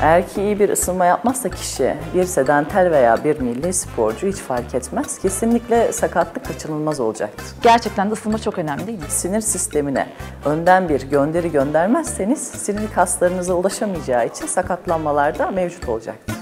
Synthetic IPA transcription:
æɾcʰiːjibiɾʔɯ̰sɯlˠmajapmazːacʰi̥ʃḭbiɾse̞d̪ænt̪ʰæɾʲve̞ja̰ːbiɾmilʲːispʰo̞ɾd͡ʒuhit͡ʃfaɾcʰɛt̪mæz̥cʰe̞sinlʲiclʲɛsakʰat̪lˠɯkʰːat͡ʃʰɯnɯlˠmazo̞lˠud͡ʒa̰k̚t̪ʰɯ̥ɾɟ̥æɾt͡ʃʰɛc̚t̪ænd̪ɛɯsɯlˠmat͡ʃʰo̞kø̞næmlʲiimisiniɾsist̪ʰe̞minɛ̰ønd̪ænbiɾɟønd̪e̞ɾiɟø̞nd̪æɾmæzse̞niz̥siniɾkʰast̪lˠaɾɯnɯzaulˠaʃamɯjd͡ʒaːit͡ʃʰinsakʰat̪lˠanmalˠaɾd̪amevd͡ʒut̪ʰo̞lˠud͡ʒa̰kt̪ɯ̥

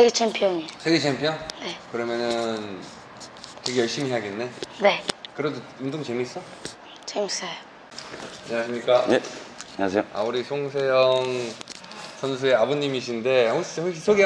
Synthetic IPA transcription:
seɡet͡ɕʰempʰjʌɲisʰeɡet͡ɕʰempʰjʌnne̞kɯɾʌmjʌnɯn | kɯɡe̞jʌɭɕ͈imiɦeaɡenːe̞ne̞kɯɾedoundoŋt͡ɕemis͈ʌ | t͡ɕemisajo | aɲʌŋaɕʰimɲik͈a | ɲsʰeoa̰uɾisʰoŋsʰe̞jʌŋ | sʰʌns̬ʰueaboɲːimiɕ̬ʰinde̞hoɕhoɕʰisʰoɡe

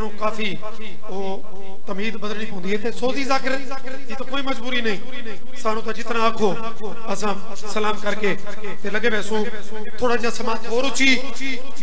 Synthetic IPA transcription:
nũːkaːfiː | i | o | t̪əmɦiːd̪bəd̪əlɽiːpõʊ̃nd̪iɦɛːt̪ʰesoːziːzaːkɪɾ | d͡ʒiːt̪akoːiːməd͡ʒbuːɾiːnəĩː | saːñũːt̪ãd͡ʒɪt̪nãəkʰoː | əsãː | səlaːmkəɾkeː | t̪eləɡeːʋɛːsõː | t̪ʰoːɽaːd͡ʒaːsəmaːt̪ɦoːɾʊt͡ʃiː

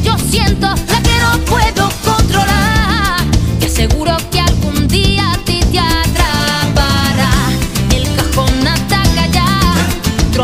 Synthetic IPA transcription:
d͡ʒo̞sje̞nt̪o̞lakeno̞pwe̞ðoko̞nt̪ɾo̞la | k̪ease̞ɣuɾo̞kealɣund̪iat̪it̪jat̪ɾapaɾaelkaxo̞nnat̪akaʎa | t̪ɾ

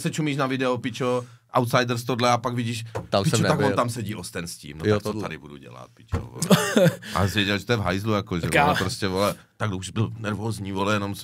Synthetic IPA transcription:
sɛt͡ʃumiːʃnavɪdɛopɪt͡ʃoʔa̰wt̪sajdɾ̩st̪odlɛapaɡvɪɟiːʃt̪ampɪt͡ʃot̪aɡont̪amsɛɟiːʔost̪ɛnscḭːmnot̪akt͡sot̪adɪbudṵɟɛ̰la̰t̪̚pɪ̥t͡ʃo̰vo̰lʔa̰zvjɛɟɛlʒɛt̪ojɛvɦajzlujakoʒɛpɾoscɛvolɛ | t̪aɡdouʒbɪlnɛɾvoːzɲiːvolɛjɛnoms

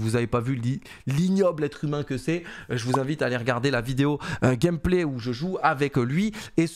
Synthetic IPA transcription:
vuzavepavyli | liɲjɔblɛt̪χymɛ̃kəsɛʒəvuzɛ̃vit̪aːleʁəɡaʁd̪elavid̪eoɡʲɛmpleuʒəʒuavɛklɥies

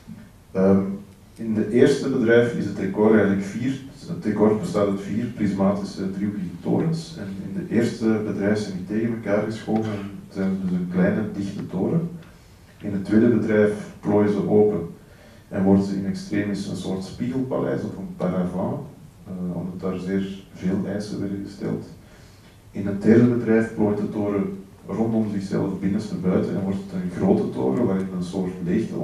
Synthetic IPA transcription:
əm | ɪndəʔeːrstəbədrɛjfɪ̰sətrekɔrɾɛjɣələkfiːrətrɛkɔrt̚bəstaːtətfiːrprizmaːtɪsədriwiɣəto̰ːɾəns | ɛnɪndəʔeːrstəbədrɛjfsɛniteːɣənməkaːrɣəsxoːvənz̥ɛjnədʏsənklɛjnədɪxtətoːɾən | ʔɪnətːweːdəbədrɛjfploːjəzəʔoːpən | ʔɛnʋɔrdənzəənɛkstreːmɪsə̰nsoːrtspiɣəlˠpa̰lɛ̰ːsɔfənpaɾavɑ̃ | ɔ̰mdɑtaːrzeːrveːlˠʔɛːsə̰ʋɛrdəɣəstɛ̰lˠt | ɪnət̚dɛrdəbədrɛjfploːjətdətoːɾə | rɔndɔmzɪxsɛ̰lˠfbɪnənstəbœɥtə̰ɛ̰nʋɔrtətənɣroːtətʰo̰ːɾəʋaːɾɪnətənsoːrtleːxtə̰

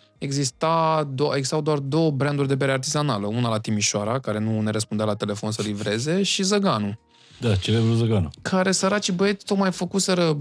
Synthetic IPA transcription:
e̞ɡzist̪ad̪oeɡi̥st̪awd̪oard̪o̞wəbɾand̪urʲd̪e̞beɾeart̪izanaləunalat̪imiʃoaɾakaɾe̞nune̞ɾəspund̪ealat̪e̞le̞fo̞nsəlivɾe̞ze̞ʃizəɡanu | d̪at͡ʃelebɾuzəɡanukʰaɾe̞səɾat͡ʃibəe̞t̪ʲt̪o̞kmajfəkuse̞ɾə

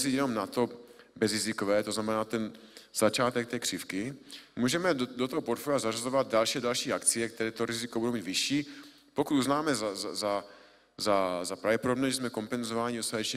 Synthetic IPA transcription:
sijɛnomnat̪o̞bɛzɾɪzɪkovɛːt̪oznamɛnaːt̪ɛn | z̥at͡ʃaːt̪ɛk̚t̪ɛːkr̥ɪfkɪmuːʒɛmɛdot̪oɦopoɾt̪foliazarazovad̪̚dalʃiːadalʃiːakt͡sɪjɛk̚t̪ɛɾɛːt̪oɾɪzɪkobudowmiːd̪vɪʃiː | pokut̪uznaːmɛzazaza | zazapɾavɟɛpodobnɛʒɛzmɛko̞mpɛnzovaːɲiost̪at̪ɛt͡ʃɲɛ

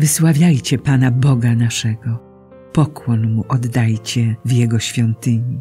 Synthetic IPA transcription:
vɘswavʲjajt͡ɕɛpanabɔɡanaʂɛɡɔ | pɔkwɔnmuʔɔd̪ːajt͡ɕɛvjɛɡɔɕfʲjɔnt̪ɘɲi

